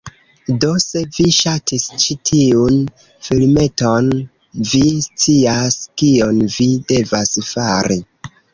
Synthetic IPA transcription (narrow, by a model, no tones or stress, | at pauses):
do̞se̞viʃatʰist͡ʃitʰiun | filme̞ton | vist͡siaskio̞nvide̞vasfaɾi